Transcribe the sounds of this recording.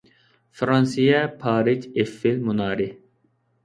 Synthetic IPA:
fɾɑnsijɛpʰɑːɾit͡ʃefːilmunɑːɾi

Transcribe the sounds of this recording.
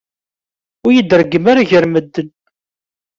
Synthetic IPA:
ʊɾjəd̪ɾəɡːəmaɾaʝəɾməd̪ːən

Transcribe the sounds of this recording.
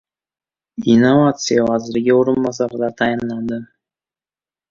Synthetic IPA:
inːovat̪sɨjawɑzɪɾɡʲɪoɾənbɑsɑɾd̪ɑt̪ʰɑjɪnlˠɑnd̪ə

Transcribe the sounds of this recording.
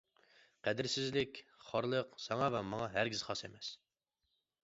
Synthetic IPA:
qʰæd̪ɪɾsɪzlɪkʲχɑɾlˠəqsɑŋɑvɛmɑŋɑɦæɾɡʲizχɑsemɛs

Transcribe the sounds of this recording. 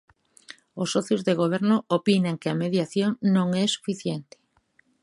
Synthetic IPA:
ʊsːɔθjozðeɣoβ̞ɛɾnoopinaŋkɪameðjaθjoŋnõŋɛsu̥fiθjɛnt̪ɪ̥

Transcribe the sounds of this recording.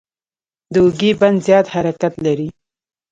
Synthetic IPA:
d̪əuɡeband̪zjɑt̪haɾakat̪laɾi

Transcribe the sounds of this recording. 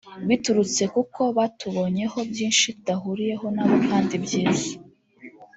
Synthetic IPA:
wituɾut͡se̞kuko̞βatuβo̞ɲe̞ho̞bjiːnʃitdaɦuɾije̞ɦo̞naːβokaːndibjiːza

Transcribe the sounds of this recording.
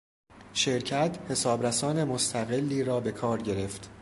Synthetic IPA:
ʃe̞ɾcʰæt̪ʰhe̞sɒːbɾæsɒːne̞most̪ʰæɣe̞lːiːɾɒːbe̞kʰɒːɾɟe̞ɾe̞ft̪

